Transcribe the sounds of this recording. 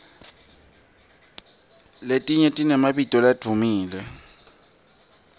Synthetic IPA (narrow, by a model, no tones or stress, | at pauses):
letʼiɲɛtʼinɛmaɓitʼɔlad̥ʰʱumiːlɛ